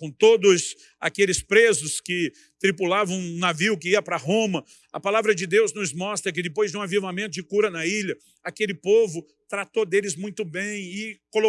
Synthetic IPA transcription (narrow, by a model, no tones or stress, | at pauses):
kõt̪od̪ʊs | akelɪspɾezʊskɪ | t̪ɾipulavɐ̃w̃ũnaviwkɪiɐpɾɐɦõmɐ | ɐpalavɾɐd͡ʒɪd̪ewznʊzmɔst̪ɾɐk̬ɪd̪ɪpojzd͡ʒɪ̃ũavivamẽnt̪ʊd͡ʒɪkuɾɐnɐiʎɐ | akelɪpovʊ | t̪ɾat̪od̪elɪzmũj̃t̪ʊbẽj̃ɪkolo